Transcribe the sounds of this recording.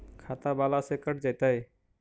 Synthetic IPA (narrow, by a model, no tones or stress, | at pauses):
kʰat̪abalasekəʈʰd͡ʒajt̪əj